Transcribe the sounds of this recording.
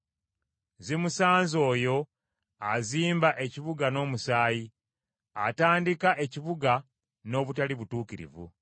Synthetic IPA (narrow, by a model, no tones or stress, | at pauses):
zemusaːnzo̞ːjo̞ | aziːmbaʔe̞ciβuɡano̞ːmusaːji | ataːndikaʔe̞ciβuɡa | no̞ːβutaliβutuːkiɾḭvṵ